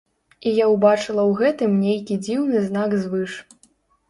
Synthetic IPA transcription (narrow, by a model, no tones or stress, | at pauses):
ijawbat͡ʂɨlˠɐwɣɛt̪ɨmnʲejkʲid͡zʲiwnɨznaɡzvɨʂ